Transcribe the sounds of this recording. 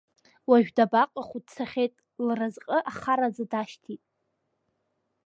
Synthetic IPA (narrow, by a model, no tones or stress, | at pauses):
waʒᶣdabaqʼaχʷud̚t͡sʰaχʲejtʼ | lrazqʼəʔaχaɾad͡zadaʃtʰitʼ